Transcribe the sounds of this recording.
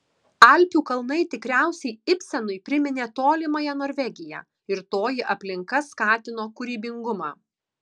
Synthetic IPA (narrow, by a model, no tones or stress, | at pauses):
ɐlʲpʲuːkɐlˠnɐɪt̪ʲɪkɾʲæˑʊsʲɛɪɪpʲsʲɛnʊɪpʲɾʲɪmʲɪnʲeːt̪oːlʲɪmɐjɛnoːɾʲʋʲɛɡʲɪjɛ̰ː | ɪɾt̪oːjɪʔɐpʲlʲɪŋkɐskɑːt̪ʲɪnoːkʊɾʲiːbʲɪŋɡʊmɑː